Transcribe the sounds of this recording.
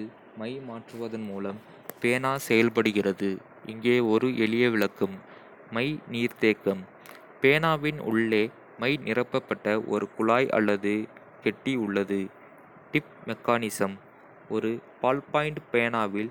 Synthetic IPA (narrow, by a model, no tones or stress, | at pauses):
mɐɪmaːʈrɯʋɐðɐnmuːlɐm | peːnaːsɛjɐlpɐɽɯɣɪrɐðɯ | ʔɪŋɡeːɔɾɯʔɛɭɪjɐʋɪɭɐkːɯmː | ɐɪniːɾt̪eːkːɐm | peːnaːʋɪnʊ̰ɭːeː | mɐɪnʔɪrɐpːɐpːɐʈːɐʔɔ̰ɾɯkʊɭaːjʔɐ̰lːɐðɯ | kɛʈːiʊɭːɐðɯ | ʈɪp̚mɛkːaːnɪsɐm | ʔɔɾɯpaːlpaːjɪɳɖpeːnaːʋɪl